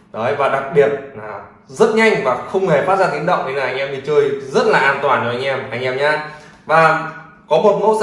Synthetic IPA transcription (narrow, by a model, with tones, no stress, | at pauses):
ɗo˨˦jvaː˨˩ɗa˨˩k̚ɓi˨˩ət̚laː˨˩ | zə˦˥t̚ɲa˧jŋ̟vaː˨˩xə˧wŋ͡mhe˨˩faː˦˥zaː˧˩t̪i˨˦nɗə̰˧˨wŋ͡mʔʰi˧naː˨˩ʔa˧jŋ̟ʔɛ˧mʰi˨˩t͡ɕəː˧jzə˦˥t̚laː˨˩ʔaː˧nt̪waː˨˩nə˨˧˩ʔa˧jŋ̟ʔɛ˧mʔa˧jŋ̟ʔɛ˧mɲaː˧ | vaː˨˩ | kɔ˨˦mo˨˩t̚ŋo̰˧˥